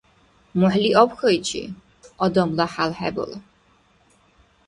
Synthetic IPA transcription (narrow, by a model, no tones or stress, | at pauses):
mɔħliʔɔbxʰɔit͡ʃʰḭ | ɔd̪ɔmlaħalħɛ̰bṵl